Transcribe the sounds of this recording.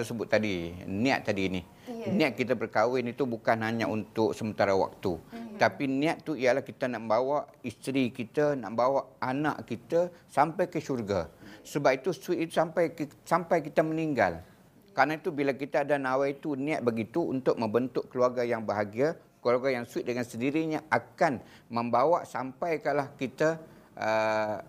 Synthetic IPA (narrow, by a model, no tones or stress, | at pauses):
t̪ərsəbʊt̪̚ːadinĩa̰t̪ːadiːni | nĩat̪̚kit̪abərkawɪnit̪ubukanɦaɲaʔunt̪ʊk̚səmənt̪aɾawa̰k̚t̪ut̪apinĩat̪ːuijalahkit̪anaʔmbawaʔist̪ɾikit̪ana̰ʔmbawaʔanaʔkit̪asampajkəʃurɡasəbap̚it̪uswit̪̚it̪usampajksampajkit̪aməniŋɡa̰l | kanait̪ubilakit̪aːdanawajit̪unĩat̪̚bəɡit̪ṵːnt̪ʊk̚mə̃mbənt̪ʊkkːəluarɡajaŋbəɦaɡia | kəlarɡajaŋswit̪̚dəŋansəndiɾiɲaʔakan | mə̃mbawaʔsampajkalahkit̪aʔə